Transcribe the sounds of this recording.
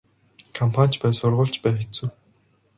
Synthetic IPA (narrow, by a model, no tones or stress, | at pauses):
kʰampʰan̥ʲt͡ɕpæːsʊrʁʊːɮt͡ɕpæːxet͡sŭw